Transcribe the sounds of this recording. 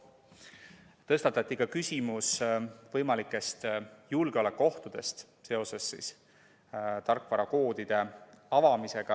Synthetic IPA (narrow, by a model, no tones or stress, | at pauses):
t̪ɤst̪ɑt̪ːˑɑt̪ːˑikɑkysʲimusvɤjmɑlikːˑe̞st̪julɡ̥eole̞kːˑo̞ht̪ud̪̥e̞st̪ | se̞o̞se̞sːḭːs | t̪ɑrkˑvɑɾɑko̞ːd̪id̪̥e̞ɑvɑmise̞ɡ̥ɑ